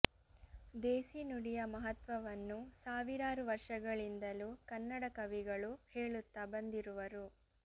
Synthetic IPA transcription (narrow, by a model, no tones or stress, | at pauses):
d̪eːsinuɽijɐmɐɦɐt̪ʋɐʋɐnːusaːʋiɾaːɾuʋɐɾʂɐɡɐɭind̪ɐlukɐnːɐɽɐkɐʋiɡɐɭuhe̞ːɭut̪ːabɐnd̪iɾuʋɐɾu